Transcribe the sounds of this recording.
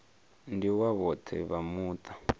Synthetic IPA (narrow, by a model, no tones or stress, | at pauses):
ndiwaβɔt̪ʰɛ̰βamuːt̪ʼḁ